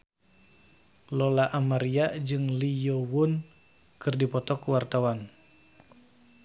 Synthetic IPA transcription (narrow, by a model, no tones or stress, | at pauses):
lolaʔamaɾiad͡ʒɨŋlijowʊn | kɨrdipɔt̪ɔkuwart̪awan